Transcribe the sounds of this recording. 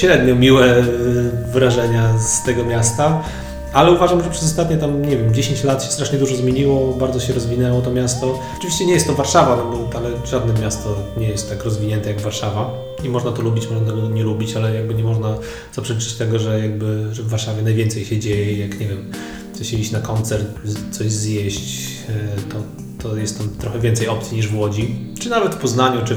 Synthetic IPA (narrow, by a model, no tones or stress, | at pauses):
ɕɾɛd̪ɲɔmʲiwɛ | vɾaʐɛɲast̪ɛɡɔmʲjast̪a | alɛuvaʐamʐɛpʂɛz̬ɔst̪at̪ɲɛt̪amɲɛvʲjɛmd͡ʑeɕẽɲt͡ɕlat̪ɕɛ̥st̪ɾaʂɲɛd̪uʐɔzmʲjeɲiwɔbaɾd̪zɔɕɛɾɔzvʲinɛwɔt̪ɔmʲjast̪ɔ | ɔ̥t͡ʂɨvʲiɕt͡ɕɛɲɛjɛst̪t̪ɔvaɾʂavanɔbɔalɛ | ʐad̪̚nɛmʲjast̪ɔɲɛjɛst̪ːakɾɔzvʲiɲɛnt̪ɛjaɡvaɾʂava | imɔʐnat̪ɔlubʲit͡ɕmɔʐnat̪ɛɡɔt̪ɔɲɛlubʲit͡ɕalɛjaɡbɘɲɛmɔʐna | z̥apʂɛlʲit͡ʂɛ̥t͡ɕt̪ɛɡɔʐɛjaɡ̚bɘʐɛvːaɾʂavʲjɛnajvʲjɛnt̪sɛjɕɛd͡ʑejɛjakɲɛvʲjɛm | sɔɕɛiɕt͡ɕnakɔnt̪sɛɾt̪t̪sɔʑzjeɕt͡ɕ | t̪ɔ | t̪ɔjɛst̪ːamt̪ɾɔxɛvʲjɛnt̪sɛjɔpt̪sʲiɲiʐvwɔd͡ʑi | t͡ʂɨnavɛt̪pɔznaɲut͡ʂɨ